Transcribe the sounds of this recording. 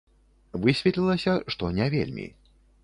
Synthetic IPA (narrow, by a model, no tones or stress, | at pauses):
vɨsʲvʲɛt̪ʲlʲilˠɐsʲɐʂt̪ɔnʲɛvʲḛlʲmʲḭ